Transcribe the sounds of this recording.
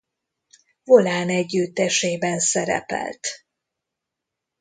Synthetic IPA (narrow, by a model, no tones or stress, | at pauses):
vo̞laːnɛɟːyt̪ːɛʃeːbɛnsɛɾɛ̰pɛ̰lt̪